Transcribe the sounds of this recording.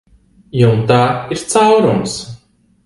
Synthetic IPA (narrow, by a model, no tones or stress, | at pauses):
juwnt̪aːiɾt̪sawɾums